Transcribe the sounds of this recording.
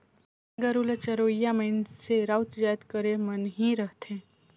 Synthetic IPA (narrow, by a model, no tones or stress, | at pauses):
aɡəɾulət͡ʃəɾojamenseɾawt̪d͡ʒajt̪kəɾemənɦĩɾəɦt̪ʰẽ